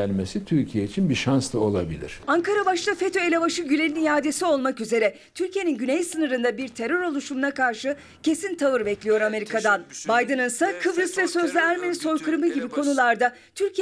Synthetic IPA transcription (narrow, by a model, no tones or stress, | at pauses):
ænʲmesit̪ʰyɾcʰijeit͡ʃʰinbiʃanst̪ao̞lˠa̰bḭlʲḭɾ̥aŋkʰaɾabaʃlˠafet̪ʰo̞e̞lʲevaʃɯɟylʲeninijaːd̪e̞sio̞lˠmakyze̞ɾɛ | t̪ʰyɾʲcije̞nʲinɟynɛjsɯnɯɾɯnd̪abiɾt̪ʰe̞ɾø̞ɾo̞lˠuʃumunakʰaɾʃɯ | cʰe̞sint̪ʰavɯɾbɛclʲijo̞ɾame̞ɾikʰad̪anbajd̪ɯnɯnsakʰɯbɾɯsvɛsø̞zlʲɛæɾmeniso̞jkʰɯɾmɯɟibikʰo̞nulˠaɾd̪a | t̪ʰyɾc